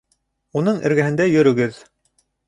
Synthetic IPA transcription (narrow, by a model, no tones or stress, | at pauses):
unɤɴʔɘ̰̆ɾɡæhɘ̆nd̪æjɵ̆ɾɵ̆ɡɘð